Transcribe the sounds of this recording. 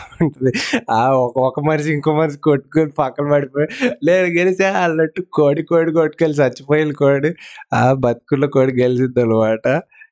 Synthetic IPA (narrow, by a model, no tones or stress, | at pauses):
uɳʈund̪iaːɔkɐɔkɐmɐnɐs̬iiŋkoːmɐnɐs̬i̥koʈːukolpɐkːɐlɐbɐɽipoːjleːd̪ɐɡelisaːɐlːɐʈːukoːɽikoːɽikoʈ̚ːkelis̬iɐt͡ʃːipɐjilkoːɽiaːbɐt̪̚kuloːkoːɽiɡelisid̪olɐʋaːʈɐ